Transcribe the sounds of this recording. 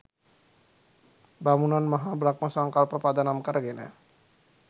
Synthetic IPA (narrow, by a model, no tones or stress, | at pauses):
bamunanmaɦabɾakmɔsaŋkalpɔpad̪anamkaɾɡenɛ̰